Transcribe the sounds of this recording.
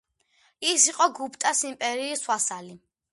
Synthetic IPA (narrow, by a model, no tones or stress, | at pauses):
isiqʼɔɡupʰt̪ʼasimpʼɛɾiːswasali